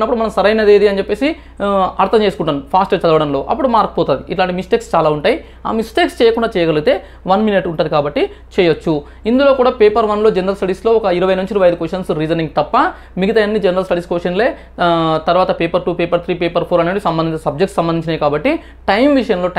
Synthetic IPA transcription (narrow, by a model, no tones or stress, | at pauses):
nːɐpːuɽumɐnɐmsɐɾɐjnɐd̪eːd̪iɐnit͡ʃɛpːe̞ːsi | ɐɾt̪ʰɐmt͡ʃeːsu̥kuɳʈːɐnupʰaːsʈɐt͡ʃɐd̪ɐʋɐɽɐnlo̞ːʔɐ̰pːuɽumaːɾkɐ̥pɔːt̪aːd̪iiʈlaːɳʈimisʈeːkst͡ʃaːlaːuɳʈaːji | a̰ːmisʈeːkst͡ʃɛːjɐkuɳɖaːt͡ʃɛːjɐɡɐluɡit̪e̞ː | ʋɐnminɐʈuɳʈaːd̪ikaːbɐʈːi | t͡ʃɛːjɐt͡ʃːu | ind̪ulo̞ːkuːɽaːpeːpɐɾʋɐnlo̞ːd͡ʒenɐɾɐlsʈɐɽiːslo̞ːɔkɐiɾɐʋɐjnuɲt͡ʃiɾiʋɐjɐjid̪ukʋeʂɐnsɾid͡ʒɐniŋɡt̪ɐpːɐ | miɡit̪ɐjɐnːid͡ʒenɐɾɐlsʈɐɽiːskʋesʈɐnleː | t̪ɐɾuʋaːt̪ɐpeːpɐɾʈuːpeːpɐɾt̪ʰɾiːpeːpɐɾpʰoːɾɐneːɽisɐmbɐnd̪iɲt͡ʃːɐsɐb̚d͡ʒekʈssɐmbɐnd̪iɲt͡ʃinɐjikaːbɐʈːi | ʈɐjmʋiʂɐjɐnlo̞ː